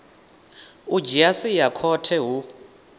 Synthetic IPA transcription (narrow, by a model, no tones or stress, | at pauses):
ud͡ʒiasijakʰɔtʰɛɦu